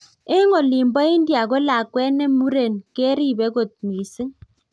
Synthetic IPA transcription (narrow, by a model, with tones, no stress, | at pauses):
e˦ŋo˨li˨mbɔ˦i˦ndja˨ko˦la˨kwɛ˦nɛ˦mu˦ɾe˨nke˦ɾi˦˨bɛ˦ko˨t̚mi˨si˦ŋ